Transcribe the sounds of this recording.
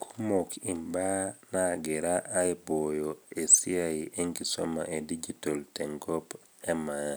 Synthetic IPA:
kʰu̥mokʰimbanaɡɛɾaʔajbɔjoesiaiʔeŋɡiso̰ma̰ʔedid͡ʒitoltɛŋɡɔp | ɛma

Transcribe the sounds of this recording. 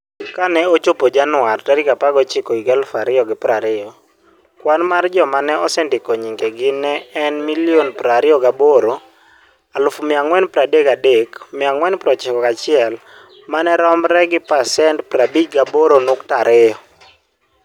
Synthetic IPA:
kanɛot͡ʃopod͡ʒanʊwartaɾikapaɡɔt͡ʃɪkɔiɡalʊfaɾɪɔɡɪpɾaɾɪɔ | kwanmard͡ʒɔmanɛʔɔsɛndɪkɔɲiŋɡeɡɪnɛːnmilionpɾaɾɪɔɡaboɾo | alʊfmɪaŋwɛnpɾadekadekmɪaŋwɛnpɾɔt͡ʃɪkɔkat͡ʃɪɛl | manɛɾɔmɾɛɡɪpasɛntpɾabit͡ʃɡaboɾonʊktaɾɪjɔ

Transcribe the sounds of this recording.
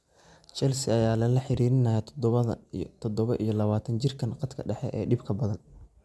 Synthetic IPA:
t͡ʃɛlsɪɐjaːlɐlɐħɪɾiːɾɪnɐjɐt̪ʰd̪ɐt̪ʰɔd̪ɔβɐʔijɞlɐβaːt̪ʰɐnt͡ʃɪrkʰɐnqɑd̪kʰɐ̰ɖɛħɛ̰ʔɛːɖɪbkʰɐbɐðɐn

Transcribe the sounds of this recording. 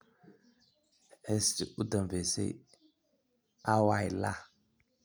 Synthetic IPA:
estiʔudamvesḛ | awajla̰

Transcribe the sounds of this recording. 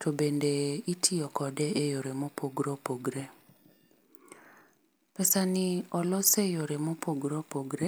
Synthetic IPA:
tʰobendeitʰiɔkɔdeʔejoɾemopʰoɡɾopoɡɾe | pɛsanɪɔlɔsejoɾemopʰoɡɾopoɡɾe

